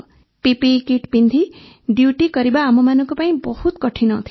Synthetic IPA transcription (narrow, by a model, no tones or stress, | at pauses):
pepekiʈpind̪ʱi | ɖjuʈikʌɾibaːmʌmanʌkopaĩbʌhut̪kʌʈʰinʌt̪ʰ